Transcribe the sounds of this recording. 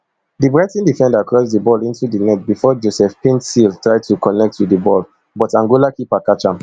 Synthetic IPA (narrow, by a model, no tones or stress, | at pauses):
dibɹatĩndifɛ̃ndakɹɔs̬dibɔlĩntudinɛt̚bifɔd͡ʒosɛfpĩntsiltɹaɪd̚tukɔnɛk̚tːudibɔl | bɔtãŋɡulakipakat͡ʃãm